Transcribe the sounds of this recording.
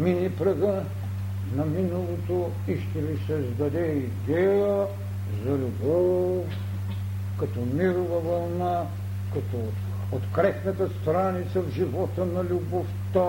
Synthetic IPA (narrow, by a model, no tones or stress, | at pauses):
minipɾɐɡə | nɐminɐlˠot̪o | iʃt̪ɛvisɛzd̪ɐd̪ɛid̪ɛjə | zɐlʲubɔff | kɐt̪ɔmiɾovɐvɐlˠna | kɐt̪ɔ | ot̪kɾɛsnɐt̪əst̪ɾanit̪sɐvʒivɔt̪ənɐlʲuboft̪a